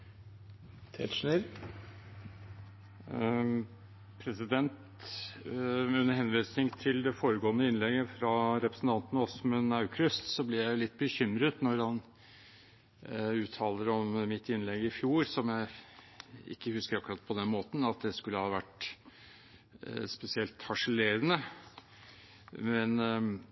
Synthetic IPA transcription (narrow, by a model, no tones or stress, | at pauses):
t̪ʰɛt̪ʂneɾ | pʰɾɛsɪd̪ɛnt̪ | ʉnːəɾɦɛnʋiːsnɪŋt̪ʰɪld̪ɛfoːɾəɡoːnəɪnlɛɡəfɾɑɾɛpɾəsn̩t̪ʰɑnt̪nɔsmʉnɑʉkʰɾʏst̪sɔblɪɾjæɪʊlɪt̪̚ːbəçʏmɾət̪nɔɾhɑn | ʉːt̪ʰːɑːləɾɔmmɪt̪ːɪnlɛɡɪfjuːɾsɔmjæɪ | ɪ̰kːəhʉskəɾɑkʉɾɑt̪pʰɔd̪ɛnmoːt̪n̩ɑt̪̚d̪ɛskʉlːəhɑːʋæʈ | spɛsɪɛlt̪hɑʂəleːɾənə | mɛn